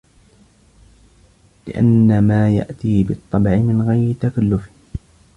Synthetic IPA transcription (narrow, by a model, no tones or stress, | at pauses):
lɪ̰ʔa̰nːamaːja̰ʔt̪iːbɨt̪ˤːɑbʕɪmɪnɣajɾɪt̪akalːʊf